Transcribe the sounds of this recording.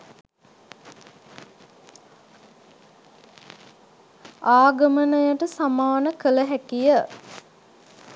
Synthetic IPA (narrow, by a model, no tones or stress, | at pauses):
aːɡəmənəjəʈəsamaːnəkələɦækijə